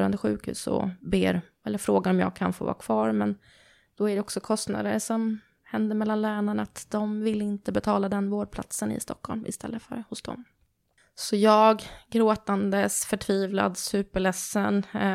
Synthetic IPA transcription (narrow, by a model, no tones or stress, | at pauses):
ɾa̰nd̪əɧʉ̟ːkhʉ̟ːsɔ̰beːɾ | ɛlːəɾfɾoːɡaɾɔmjɑ̰ːɡ̚kʰanfoːvɑ̰ːkʰvɑːɾmɛn | d̪̥ɔæɖɛɔksɔkʰɔst̪na̰d̪əɾʂɔm | hɛnd̪əɾmɛlːanlæːɳaɳaat̪d̪ɔmvɪlːɪnt̪əbɛt̪ʰɑːlad̪ɛnvoːɖ̚pʰla̰t̪sənɪ̰st̪ɔkʰhɔlmɪst̪ɛ̰lːəfœ̰ɾhʊsd̪ɔ̰mm | sɔjɑːɡɡɾoːt̪and̪əsfœʈʰviːvla̰d̪sʉ̟ːpəɭɛsːən